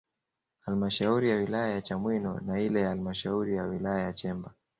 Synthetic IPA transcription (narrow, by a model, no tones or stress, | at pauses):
halmaʃauɾijawilajajat͡ʃamwinɔnailɛjaalimaʃauɾijawilajajat͡ʃɛmba